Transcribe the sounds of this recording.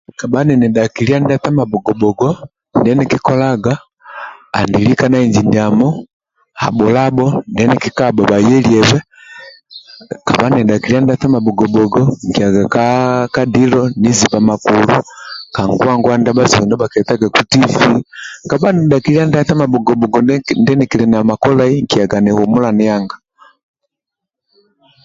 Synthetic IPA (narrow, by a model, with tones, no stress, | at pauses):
ka˨banɛ˨nɛ˨daki˨li˦a˦nda˦ta˦ma˨bɔ˨ɡɔ˨bɔɡɔ | ndɛnɛkikɔ˦laɡa̰ː˨ | ndilika˦na˦iɲd͡ʒiniamɔ˦ | ha̰˨bɔ˨labɔndɛnɛkikaba˨ba˨jɛ˦liɛβɛ˦ | ka˨βa˦nɛ˨dakilia˦nda˦ta˦ma˨bɔ˨ɡɔbɔɡɔŋki˨a˨ɡa˨kaka˦dilɔni˦zi˨βa˨ma˨kuluka˨ŋɡwa˦ŋɡwa˦nda˦baziɛ˨ndɔ˦ba˨kɛta˦ɡa˨ku˦ti˦fika˨βa˦nɛ˨ɗaki˨li˦a˦nda˦θa˦ma˨bɔ˨ɡɔbɔ˨ɡɔndɛ˦nikilɛna˨ma˨kɔ˦laiŋki˨aɡa˨nɛhumu˦la˨nɛ˦jaŋɡa˨